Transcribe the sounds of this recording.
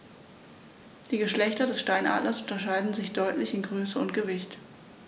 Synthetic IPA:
d̥iːɡəʃlɛçtɐdɛsʃtaɪnʔa̰ːdlɐsʔʊntɐʃaɪdn̩zɪçd̥ɔʏtlɪçɪnɡʁøːsəʊntɡ̥əvɪçt

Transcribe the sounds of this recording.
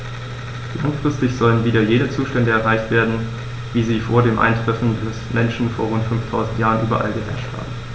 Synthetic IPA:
lʔa̰ŋfʁ̥ɪstɪçz̥ɔlənviːdɐjeːdət͡suːʃtɛndəɛɐʁaɪçtv̥eːɐdn̩ | viːziːfoːɐdeːmʔa̰ɪndʁ̥ɛfn̩dɛsmʔɛnʃn̩foːɐʁ̞ʊntfʏnftʰaʊzn̩tjaːʁ̞ənʔyːbɐ̰ʔa̰lɡəvɛ̰ɐʃtha̰ːbm̩

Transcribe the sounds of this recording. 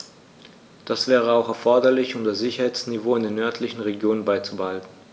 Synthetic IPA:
d̥asv̥ɛːʁ̞əaʊxɛɐfɔɐdɐlɪçʊmdasz̥ɪçɐhaɪt͡snivoːɪndeːnœɐtʰlɪçn̩ʁeɡjoːnənbaɪt͡subəhaltn̩

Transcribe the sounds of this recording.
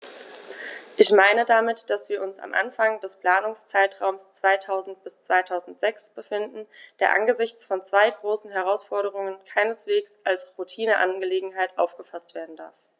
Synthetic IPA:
ʔɪçmaɪnədamɪtd̥asv̥iːɐʔʊnsa̰mʔa̰nfaŋdɛspl̥aːnʊŋst͡saɪtʁ̥aʊmst͡sv̥aɪtʰaʊzn̩t̚b̥ɪst͡sv̥aɪtʰaʊzn̩tz̥ɛksb̥əfɪndn̩d̥eːɐʔa̰nɡəzɪçt͡sfɔnt͡sv̥aɪɡʁoːsn̩ɦɛʁ̞aʊsfɔɐɾəʁ̞ʊŋənkʰaɪnəsv̥eːksʔalsʁutʰiːnəʔa̰nɡəleːɡŋ̩ɦaɪtʔa̰ʊfɡ̥əfastv̥eːɐdn̩da̰ɐf

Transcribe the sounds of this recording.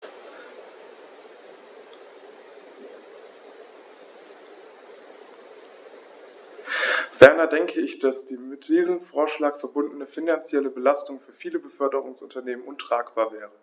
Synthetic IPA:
v̥ɛɐnɐdɛŋkʰəɪçd̥asd̥iːmɪtd̥iːzəmfoːɐʃlaːkfɛɐbʊndn̩əfinant͡sjɛləbəlastʊŋfyːɐfiːləbəfœɐdəʁ̞ʊŋsʔʊntɐneːmənʔʊntʁ̥aːkb̥aːɐvɛːʁə

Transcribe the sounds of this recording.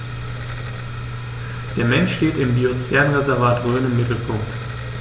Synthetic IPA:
d̥eːɐmɛnʃʃteːtɪmbiːosfɛːʁə̃nʁɛzɛɐvaːtʁøːnɪmːɪtl̩pʰʊŋkt

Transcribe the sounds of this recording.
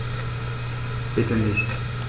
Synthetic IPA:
b̥ɪtənɪçt

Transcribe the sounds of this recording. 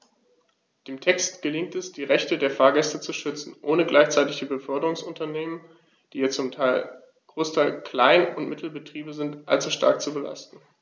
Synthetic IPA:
d̥eːmtʰɛkstɡ̥əlɪŋtɛsd̥iːʁɛçtədeːɐfaːɐɡɛstət͡suʃʏt͡sn̩ʔoːnəɡlaɪçt͡saɪtɪçd̥iːbəfœɐdəʁʊŋsʔʊntɐneːmən | d̥iːjat͡sʊmtʰaɪ | ɡ̥ʁoːstʰaɪlkl̥aɪnʊntmɪtʰl̩bətʁ̥iːbəzɪntʔalt͡suʃta̰ɐk̚t͡subəla̰stn̩

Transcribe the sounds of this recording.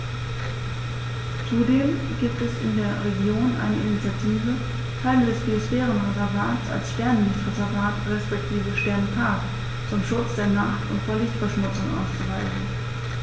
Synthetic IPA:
t͡sudeːm | ɡ̥iːp̚tɛsɪndeːɐʁeɡjoːnʔa̰ɪnəʔɪnit͡sjatʰiːvə | kʰaɪlədɛsb̥iosfɛːʁənʁɛzɛɐvaːtsa̰lsʃtɛɐnlɪçtʁɛzɛɐvaːtʁɛspɛk̚tʰiːvəʃtɛɐntʰaːk | t͡sʊmʃʊt͡sd̥eːɐnaχtʊ̰ntfoːɐlɪçtfɛɐʃmʊt͡sʊŋʔa̰ʊst͡suvaɪzn̩

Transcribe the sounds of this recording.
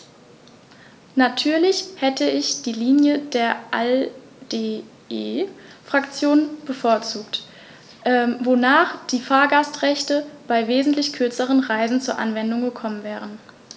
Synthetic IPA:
natʰyːɐlɪçhɛtəɪçd̥iːliːnjədeːɐʔɛ | de | eːfʁ̥akt͡sjoːnb̥əfoːɐt͡suːkt | ʔɛvonaːχd̥iːfaːɐɡastʁɛçtəb̥aɪveːzn̩tlɪçkʰʏɐt͡səʁ̞ənʁaɪzn̩t͡suːɐʔanvɛndʊŋɡəkʰɔmənvɛːʁ̞ən

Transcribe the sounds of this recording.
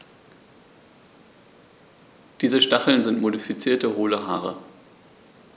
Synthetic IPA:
d̥iːzəʃtaχl̩nzɪntmodifit͡siːɐtəʁoːləɦaːʁə̰

